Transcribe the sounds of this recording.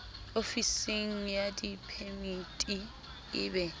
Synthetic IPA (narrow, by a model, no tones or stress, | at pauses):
ofisiŋ̩jadipʰɛmitʼi | ɪːbɛ